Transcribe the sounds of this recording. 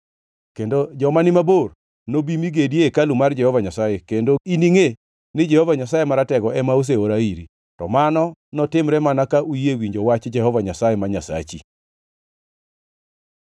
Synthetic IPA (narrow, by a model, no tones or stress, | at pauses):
kendod͡ʒɔmanɪmabor | nobimiɡedjekalumard͡ʒɛhɔvaɲasajekendoiniŋe | nɪd͡ʒɛhɔvaɲasajemaɾatɛɡɔʔɛmaos̬eoɾaiɾi | tɔmanɔnɔtɪmɾɛmanakaʔujewiɲd͡ʒowat͡ʃd͡ʒɛhɔvaɲasajɛmaɲasa̰t͡ʃi